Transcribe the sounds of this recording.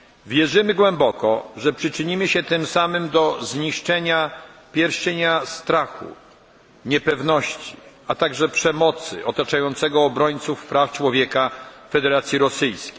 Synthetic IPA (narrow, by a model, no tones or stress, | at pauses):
vʲjɛʐɘmɘɡwɛmbɔkɔ̰ʐɛpʂɘt͡ʂɘɲimɘɕɛt̪ɘmsamɘmd̪ɔzɲiʂt͡ʂɛɲapʲjɛɾɕɛɲast̪ɾaxṵ | ɲɛpɛvnɔɕt͡ɕi̥ | at̪aɡʐɛpʂɛmɔt̪sɘ̰ʔɔt̪at͡ʂajɔnt̪sɛɡɔːbɾɔɲt̪sufpɾaft͡ʂwɔvʲjɛkafɛd̪ɛɾat̪sʲjiɾɔsɘjskʲe̥j